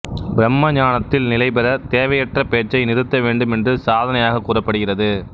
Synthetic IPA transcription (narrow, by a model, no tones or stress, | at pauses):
bɪɾɛmːɐɲaːnɐt̪ːɪlnɪlɐɪpɐɾɐt̪eːʋɐjɐʈrɐpeːʈt͡ʃːɐɪnɪɾɯt̪ːɐʋeːɳɖɯmɛndrɯsaːðɐnɐjaːɣɐkːuːrɐpːɐɽɯɣɪrɐðɯ